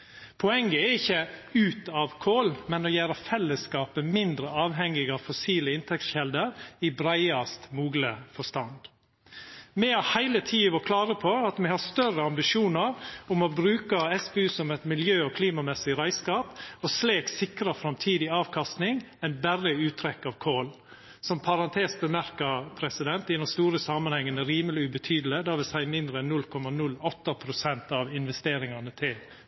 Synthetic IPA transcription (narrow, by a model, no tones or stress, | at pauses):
pʰɔɛŋɡəɛɾɪçːəʉːt̪ɑʋkʰoːlmɛnɔjæːɾəfɛlːəskɑːpəmɪnd̪ɾəɑːʋɦɛŋːɪɡɑːʋfɔsiːləɪnt̪ʰɛktçɛld̪əɾɪbɾæɪɑst̪muːɡləfɔʂt̪ɑnd̪ | mɛɑhæɪlət̪ʰiːəʋɔkʰlɑːɾəpʰɔɑt̪mɛhɑst̪œrəɑmbɪʃjuːnəɾʊmɔbɾʉːkəɛsbɛʉːsɔmɛt̪mɪljøːɔkʰliːmɑmɛsːɪɾæɪskɑːpɔsleːksɪkɾɑfɾɑmt̪ʰiːd̪ɪɑːʋkʰɑst̪nɪŋ | ɛnbærːəʉːt̪ʰɾɛkːɑʋkʰoːl | sɔmpʰɑɾɑnt̪ʰeːsbəmæɾkɑɾpʰɾɛsɪd̪ɛnt̪ɪd̪ɛnst̪uːɾəsɑmɑnhɛŋːənəɾiːməlɪʉbət̪ʰyːd̪əl̩əd̪ɑːʋɪlsæɪmɪnd̪ɾəɛnːʉlːkʰɔmːɑnʉlɔt̪ːəpʰɾʊsɛnt̪ɑʋɪnʋɛst̪eːɾɪŋɑnət̪ʰɪl